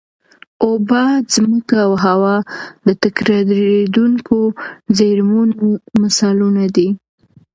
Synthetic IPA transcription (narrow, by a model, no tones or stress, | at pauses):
obɑzməkaːwɦawɑd̪ət̪akɾɑɾɾed̪uŋkozeɾmunomasɑlunad̪i